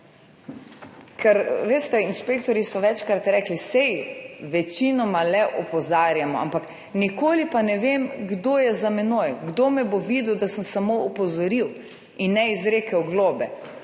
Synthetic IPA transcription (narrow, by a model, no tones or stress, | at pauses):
kʰɛɾʋeːst̪ɛinʃpeːkt̪ɔɾjisɔʋɛt͡ʃkɾat̪ɾɛːklisɛjʋɛt͡ʃinɔmalɛʔɔpɔzaːɾjamɔa̰mpak | nikoːlipanɛʋeːmɡd̪oːjɛzamɛnoːjɡd̪oːmɛboʋid̪ud̪asəmsamoɔpɔzɔɾiw | inːɛizɾeːkɛwɡloːbɛ